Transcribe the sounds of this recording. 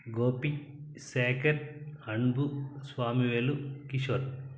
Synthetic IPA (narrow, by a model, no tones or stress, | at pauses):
ɡoːpi | seːkɐɾɐɳbusʋaːmiʋeːlukiʃoɾ